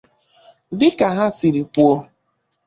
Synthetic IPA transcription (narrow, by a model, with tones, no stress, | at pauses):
dɪ˦ka˨ɦa˦si˨ɾi˨ku˦o˦